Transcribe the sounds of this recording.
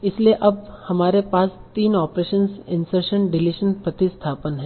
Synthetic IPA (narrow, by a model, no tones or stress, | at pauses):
ɪslieʔɐb̚hɐmaːɾepaːst̪iːnɔːpɾeːʃənsɪ̃nsəɾʃəɳɖɪlɪʃənpɾɐt̪ɪst̪ʰaːpənɦɛ̃ː